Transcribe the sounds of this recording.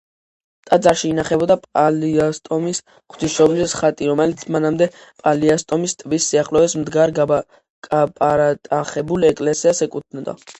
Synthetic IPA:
t̪ʼad̪zaɾʃiːnaχɛbɔd̪apʼaliast̪ʼɔmis | χʰt̪ʰiʃɔblisχat̪ʼiɾɔmɛlit̪sʰmanamd̪ɛpʼaliast̪ʼɔmist̪ʼvisːiaχlɔɛsmd̪ɡaɾɡa | ɡapʼaɾat̪ʼaχɛbulɛkʼlɛsiasɛkʼut̪̚ʰnɔd̪a̰

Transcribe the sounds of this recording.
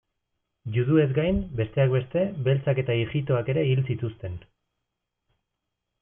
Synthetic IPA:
juðue̞zɡajmbe̞st̪e̞ak̚be̞st̪e̞be̞lt͡sake̞t̪aiʝit̪̬o̞ake̞ɾe̞ilsit̪ust̪e̞n

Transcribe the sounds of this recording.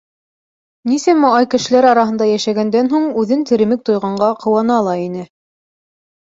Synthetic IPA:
nisæmɑɑjkɘ̆ʃɘ̆læɾɑɾɑɦɤ̆nd̪ɑjæʃæɡænd̪ænɦuɴʉðɘnt̪ɘ̆ɾɘ̆mɘk̚t̪ŏjʁɑɴɢɑqɤ̆wɑnɑlˠɑinɘ

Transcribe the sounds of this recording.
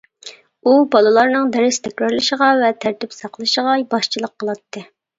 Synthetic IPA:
ubɑlˠɨlˠɑɾnɨŋd̪ɛɾɪst̪ʰɛkʲɾɑɾlˠɨʃəʁɑvɛt̪ʰæɾt̪ypsɑqlˠɨʃəʁɑbɑʃt͡ʃʰilˠəqʰːəlˠɑt̪ʰːɨ

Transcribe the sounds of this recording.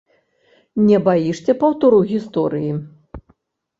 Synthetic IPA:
nʲɛbajiʂt͡sʲɛpɐwt̪uɾuɣʲist̪ɔɾɨji

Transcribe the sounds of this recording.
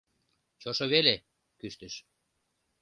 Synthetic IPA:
t͡ɕoʃoβele | kyʃt̪əʃ

